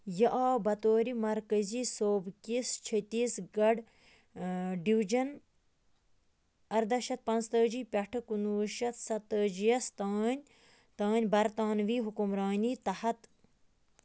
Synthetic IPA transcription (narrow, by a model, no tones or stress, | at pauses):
jɐʔaːbɐt̪oːɾimɐɾkɐziːsoːbkʲist͡ʃʰɐt̪iːsɡɐɖ | ɖiwd͡ʒɐn | ɐɾd̪ɐʃɐt̪̚pɐ̃nst̪əːd͡ʒiːpʲɐʈʰɨkunuːʃɐt̪sɐt̪ːəːd͡ʒijɐst̪aːnʲ | t̪aːnʲbɐɾt̪aːnʋiːɦukumɾaːniːt̪ɐhɐt̪